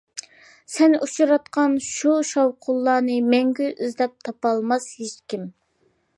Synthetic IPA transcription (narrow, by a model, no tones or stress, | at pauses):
sɛnut͡ʃʰuɾɑt̪qʰɑnʃuʃɑwqʰʊlˠːɑːnɨmɛŋɡʲyʔyzlɛp̚t̪ʰɑpɑlˠmɑshet͡ʃkʲim